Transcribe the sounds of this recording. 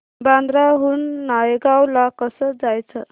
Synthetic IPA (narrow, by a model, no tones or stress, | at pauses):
band̪ɾaɦunːajeɡawlakəsəd͡zajt͡sʰə